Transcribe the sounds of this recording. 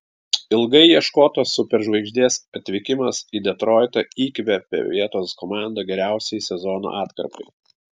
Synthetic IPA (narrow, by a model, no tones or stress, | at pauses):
ɪlˠɡɐɪjiɛʃkoːt̪oːsːʊpʲɛɾʒʋɐɪɡʒʲd̪ʲeːsɐt̪ʲʋʲɪkʲɪmɐsiːd̪ʲɛt̪ɾɔːɪt̪ɐiːkʲʋʲɛpʲɛ̰ʋʲiɛt̪oːskɔmɑˑnd̪ɐɡʲɛɾʲæˑʊsʲɛjsʲɛzɔːno̰ːʔɑːt̪kɐ̰ɾpɐɪ